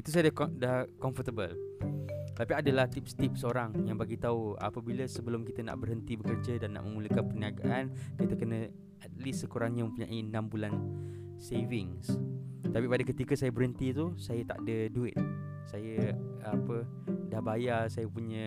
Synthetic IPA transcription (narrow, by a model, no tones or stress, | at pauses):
it̪usajədakdahkɔmfət̪əbəl | t̪t̪apiadəlaht̪ɪp̚st̪ɪp̚səoɾaŋjaŋbaɡit̪aua̰pəbiləsəbəlʊmkit̪əna̰ʔbərɦənt̪ibəkərd͡ʒədanːa̰ʔməmuləkanpərniaɡaʔankit̪əkənə̃ | ɛt̪̚lisːəkuɾaŋɲəmə̃mpuɲa̰ʔiənãmbulan | sevɪŋst̪apipadəkət̪ikəsajəbəɾɦənt̪it̪usajət̪a̰ʔdəduɪt̪̚ | sajəapə | dahbajasajəpuɲə